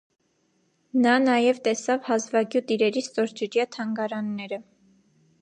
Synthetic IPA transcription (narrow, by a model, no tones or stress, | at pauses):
nɑnɑjɛvt̪ɛsɑvhɑzvɑɡjut̪iɾɛɾist̪ɔɾd͡ʒəɾjɑt̪ʰɑŋɡɑɾɑnːɛɾə